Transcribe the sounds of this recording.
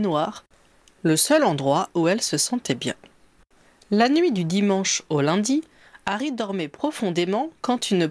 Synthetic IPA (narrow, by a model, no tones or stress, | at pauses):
nwaʁ | ləsœlɑ̃d̪ʁwauɛlsəsɑ̃t̪ɛbjɛ̰̃ | lanɥid̪yd̪imɑ̃ʃolɛ̃d̪i | aʁid̪ɔʁmɛpχɔfɔ̃d̪emɑ̃kɑ̃t̪ynə